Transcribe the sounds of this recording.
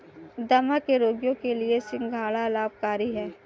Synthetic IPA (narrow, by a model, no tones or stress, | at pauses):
d̪ɐmakeɾoːɡjõkeliesɪ̃ŋɡʱaːɭaɐlaːb̚kaːɾiɦɛː